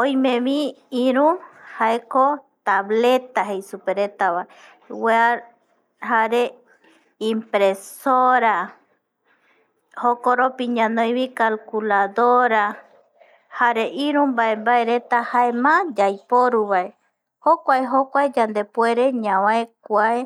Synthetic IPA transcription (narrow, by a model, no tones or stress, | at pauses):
õj̃mẽmĩĩɾũhaekot̪aβle̞t̪aɦe̞jsupeɾet̪aβae | wea | haɾe | ĩmpɾesoɾa | hokoɾopiɲãnõj̃βĩkalkulaðoɾa | haɾe̞ʔĩɾũmbaembaeɾe̞t̪ahaemãd͡ʒajpoɾuβae | hokʷaeɦokʷaed͡ʒand̪e̞pwe̞ɾe̞ɲãwãekʷae